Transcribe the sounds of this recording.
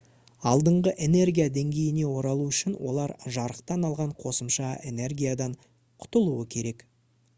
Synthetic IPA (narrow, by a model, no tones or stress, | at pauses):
ɑlˠd̪əɴʁəʔe̞ne̞rɡʲijad̪e̞ŋɡʲe̞jɪne̞wo̞ɾɑlˠuʏʃɪnwo̞̰lˠɑɾʒɑɾəqt̪ɑnɑlˠʁɑɴqʰo̞səmʃɑene̞rɡʲijad̪ɑɴ | qʰʊ̥t̪əlˠuəkʲʰe̞ɾe̞k